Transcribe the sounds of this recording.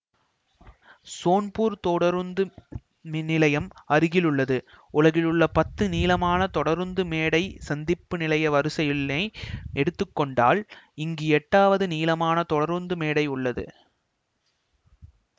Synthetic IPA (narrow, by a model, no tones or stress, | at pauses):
soːnpuːɾt̪ɔɽɐɾnd̪ɯ | mnɪlɐjɐmɐɾɯɣɪlʊɭːɐðɯ | ʊlɐɣɪlɯɭːɐpɐt̪ːɯniːlɐmaːnɐt̪ɔɽɐɾɯnd̪ɯmeːɽɐɪsɐnd̪ɪpːɯnɪlɐjɐʋɐɾɯsɐjɪleɪɛɽɯt̪ːɯkːɔɳɖa̰ːlɪŋɡeɛʈːaːʋɐðɯniːlɐmaːnɐt̪ɔɽɐɾɯnd̪ɯmeːɽɐɪʊɭːɐðɯ̰